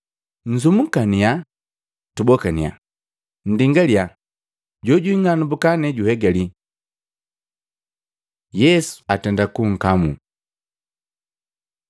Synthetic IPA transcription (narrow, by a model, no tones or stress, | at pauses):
n̩zumukania | tubɔkania̰ | n̩diŋɡalja | ɟɔɟuiŋanubukanɛɟuhɛɡali | jɛsu̥atɛndakuŋ̩kamu